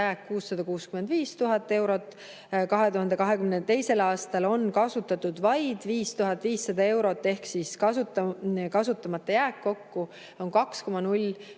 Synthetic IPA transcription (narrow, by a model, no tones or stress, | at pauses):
æːkːuːsːɑd̪̥ɑkuːskymend̪viːst̪uɦɑt̪ːˑe̞wɾo̞t̪ːˑ | kɑɦe̞t̪uhɑnd̪̥e̞kɑɦe̞kymnet̪e̞jse̞lɑːst̪ɑlo̞nkɑsut̪ːˑɑt̪ːud̪̥vɑjd̪̥viːst̪uɦɑt̪ːˑviːsːɑd̪ɑe̞wɾo̞t̪ːˑe̞hksiskɑt̪kɑsut̪ːˑɑmɑt̪ːˑɑjæːkːo̞kːu | o̞nkɑksko̞mɑnulʲ